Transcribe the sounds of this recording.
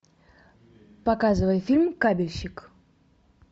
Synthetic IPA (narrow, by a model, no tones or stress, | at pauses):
pɐkazɨvəjfʲilʲmkabʲɪlʲɕɪk